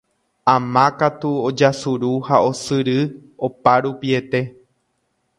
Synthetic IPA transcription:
ãmãkat̪uod͡ʒasuɾuhao̞sɨɾɨopaɾupie̞t̪e̞

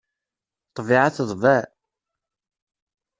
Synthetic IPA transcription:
t̪ˤːviʕaθəðˤvæ

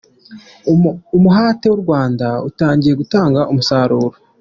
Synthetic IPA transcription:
umuɦaːtewuɾɡwaːndautaːɲɟije̞ɡutaːŋɡaʔumusaːɾuːɾo

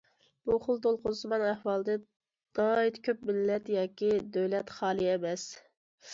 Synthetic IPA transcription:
b̥uχʊlˠt̪olˠqʊsɨmɑnæhwɑlˠd̪ɨ | d̪̥ɑjit̪kʲʰøpmɪlːɛt̪jɑːkʲid̪øwlɛt̪χɑːlˠiɛmɛs

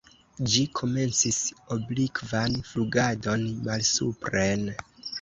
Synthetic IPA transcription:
d͡ʒikʰo̞me̞nt͡siso̞blikvanfluɡado̞nmalsupɾen

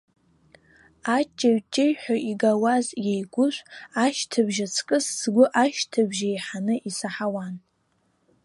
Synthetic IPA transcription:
at͡ʃʼːaɥt͡ʃʼejħᶣʷaʔiɡawazjejɡʷʊʃʷaʃtʰɨbʒat͡sʰkʼɨsːɡʷʊʔaʃtʰɨbʒajħanɨʔisaħawan

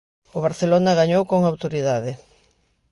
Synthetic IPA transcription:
ʊβaɾθelonaɣaɲowkoŋawt̪oɾiðaðɪ

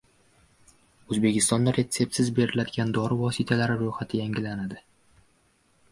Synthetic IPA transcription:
ɵzbe̞kʲɪst̪ɒnd̪aɾe̞t̪sːe̞p̚t̪ɪzbe̞ɾɪlad̪ɪɡʲand̪ɒɾɪvɒsɪt̪ʰalaɾɪɾoχat̪ʰɪjaŋɡʲɪlanad̪ɪ

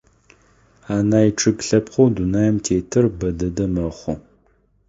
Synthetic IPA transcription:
aːnaːjiʈ͡ʂʰʼɨɡɬɐpχʷowdunaːjɛmtʰeːtʰɨrbɐdɐdɐmɐχʷɔ

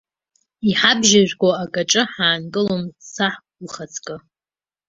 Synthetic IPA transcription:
iħabʒaʒᶣʷɡʷaaɡʼaʈ͡ʂʼɨħaːnkʼɨlomsaħ | uχat͡sʰkʼɨ

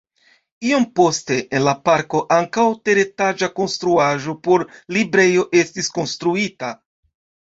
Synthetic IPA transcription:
iompo̞ste̞ʔenlapaɾko̞ʔaŋkawte̞ɾe̞tad͡ʒako̞nst̪ɾuaʒo̞po̞ɾlibɾe̞jo̞ʔe̞stisko̞nst̪ɾuita

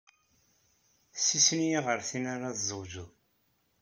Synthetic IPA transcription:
sisənjiʁəɾθinaɾaðzəwʒuð

